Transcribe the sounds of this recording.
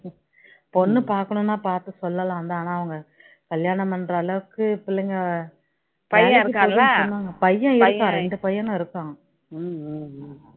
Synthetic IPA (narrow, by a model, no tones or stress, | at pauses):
pɔnːɯpaːɾkɐɳʊ̃nːaːpaːɾt̪ɯsɔlːɐlãːʋɐnd̪aːnãːɐʋɐŋɡɐ | kɐljaːɳɐmɐnɾɐːlɐʋɯkːɯpɪlːɐŋɡɐ | pɐjɐ̃ɾɯkikːaɔnːaːŋɡɐpɐjːɐ̃ɪɾɯkːãɾɛɳɖɯpɐjːɐ̃nɐ̃ɪɾɯkːãː